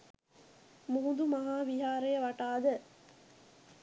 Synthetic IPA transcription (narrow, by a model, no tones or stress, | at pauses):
muɦud̪umɐɦaːʋiɦaːɾəjəʋaʈaːd̪ə